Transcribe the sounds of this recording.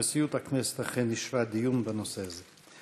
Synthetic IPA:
esiut̪haknɛsɛ̥t̪aχenːiʃvad̪ijunbanoseazɛ

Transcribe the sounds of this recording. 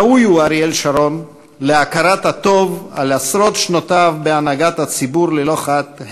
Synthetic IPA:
ujuaɾielʃaɾo̞n | leakaɾatat̪o̞va̰lasɾo̞t̪ʃnotavbeanaɡat̪hat͡sibuɾleloχat̪h

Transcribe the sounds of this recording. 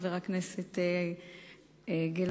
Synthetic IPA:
veʁakneset̪e | ɡel

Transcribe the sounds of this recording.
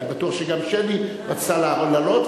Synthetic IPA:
batuaχʃeɡamʃeni | pat͡salaolalot

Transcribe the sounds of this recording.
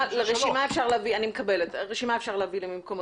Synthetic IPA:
leʁeʃimaefʃaʁleavianimekɐbeletʁeʃimaefʃaʁleavilemimkomo

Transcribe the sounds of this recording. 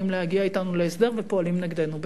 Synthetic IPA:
imlehaɡiait̪anuleesd̪e̞ʁvepo̞alimnaɡd̪enub

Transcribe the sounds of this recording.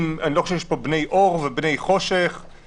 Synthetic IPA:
maniloχoʃɛvjɛʃpobne̞jʔoʁvebne̞jχo̞ʃeχ

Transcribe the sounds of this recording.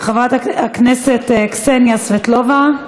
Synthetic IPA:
χavat̪akneset̪ksenjasvet̪lova

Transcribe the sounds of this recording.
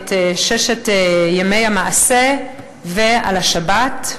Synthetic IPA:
teʃeʃetjemejamaʔase | vea̰laʃabat

